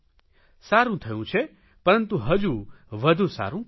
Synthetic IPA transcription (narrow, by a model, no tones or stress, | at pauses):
saɾũt̪ʰəjũt͡ʃʰe | pəɾənt̪uɦəd͡ʒuʋəd̪ʱũsa̰ɾũ